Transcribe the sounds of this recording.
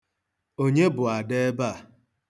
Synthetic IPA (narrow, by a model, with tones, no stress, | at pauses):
o˦ɲe˦bʊ˨a˨de˦ba˦˨